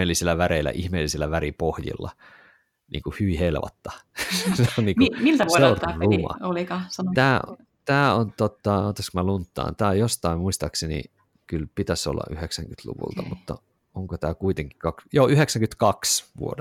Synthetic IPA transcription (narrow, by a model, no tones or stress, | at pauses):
eːlːisilːæʋæɾeilːæ̰ʔihmeːlːisilːæʋæɾipohjḭlːɑ̰ | nʔḭːŋkuhyʋihelʋɑ̰t̪ːɑsseonniːŋkumilt̪æʋsoeorumɑ̰olikɑsɑnot̪æː | t̪æːont̪ot̪ːɑoːt̪ːɑskmælunt̪ːɑ̰ːnt̪æːjost̪ɑimmuist̪ɑksenḭ | kylpit̪æso̰lːɑ̰ʔyheksæŋkyt̪lṵʋṵlt̪ɑmut̪ːɑ | oŋkot̪æːkuit̪eŋki̥kɑkjoːyheksæŋkyt̪kɑksʋṵod